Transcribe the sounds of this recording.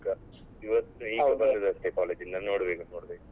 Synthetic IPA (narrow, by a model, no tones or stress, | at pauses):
kɐ | iʋɐt̪ːnuiːbɐnd̪id̪ɐsʈekaːleːd͡ʒind̪ɐnoːɽbeːkɐnoːɽbeːkɐ